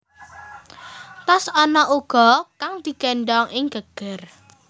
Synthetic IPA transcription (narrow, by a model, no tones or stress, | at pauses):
t̪asɔnɔʔuɡ̥ɔ̤kaŋd̪̥i̤ɡ̥ɛnɖɔŋʔɪŋɡ̥əɡ̥ər